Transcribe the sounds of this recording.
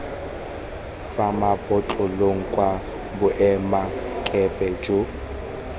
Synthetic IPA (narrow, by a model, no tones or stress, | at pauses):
famapʼɔt͡ɬʼʊloŋ̩kʼwa | bʊʔɛmakʼɛpʼɛd͡ʒo